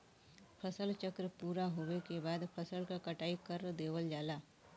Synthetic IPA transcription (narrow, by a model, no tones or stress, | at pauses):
pʰəsəlt͡ʃəkɾəpuːɾaɦoekebaːd̪pʰəsəlkakəʈaːikəɾd̪eːʋəld͡ʒaːlaː